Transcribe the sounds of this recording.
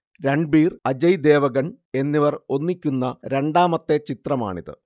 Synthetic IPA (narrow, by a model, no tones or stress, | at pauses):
ɾeɳɖ̚biːrɐd͡ʑɐjd̪eːʋɐɣɐɳ | e̞nːiʋɐro̞nːikʲːunːɐɾe̞ɳɖaːmɐt̪ːe̞t͡ɕit̪rɐma̰ːɳiðɨ̰